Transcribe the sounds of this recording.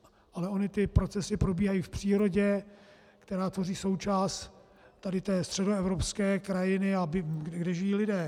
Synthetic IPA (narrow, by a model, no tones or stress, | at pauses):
ʔalɛo̞nɪt̪ɪpɾot͡sɛsɪpɾo̞biːɦajiːfpr̝̥iːɾoɟɛ | kt̪ɛɾaːt̪vo̞riːso̞wt͡ʃaːst̪ | t̪ːadɪt̪ɛːst̪r̥ɛdoɛvɾopskɛːkɾajɪnɪabɪɡɡdɛʒɪjiːlɪdɛː